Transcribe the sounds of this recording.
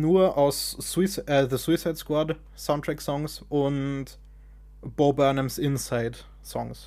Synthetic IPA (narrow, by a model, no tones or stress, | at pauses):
nuːɐʔaʊsːwisʔɛðəswisaɪtskwad | saʊntʰʁ̥ɛksɔŋsʔʊnt | b̥obɛnɛmsʔɪnsaɪd | sɔ̰ŋs